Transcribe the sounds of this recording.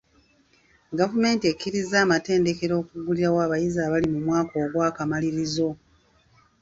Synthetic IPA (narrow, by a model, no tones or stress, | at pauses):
ɡavume̞ːntiekːiɾizaːmate̞ːnde̞ke̞ɾo̞ːkuɡuliɾawaːβajizaːβalimumwaːko̞ːɡwaːkamaliɾizo̞